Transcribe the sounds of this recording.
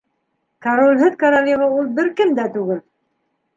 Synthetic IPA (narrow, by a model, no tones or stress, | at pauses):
kaɾolʲɦɘðkaɾolʲiʁɑulˠbɘɾkɘmd̪æt̪ʉɡɘl